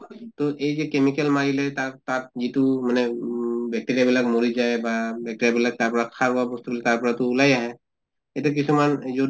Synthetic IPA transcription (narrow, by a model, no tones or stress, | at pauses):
t̪ɔʔejzɛkemikɛlmaɹilɛtatat̚zitumanɛbʱjɛk̚tiɹijabilak̚moɹizaebabʱɛk̚ʈiɾiabilak̚taɹpɔɹat̚kʰaɹbabɔst̪ubilɛtaɹpɔɹat̪uːlajaɦɛ | etɛk̬isumanzo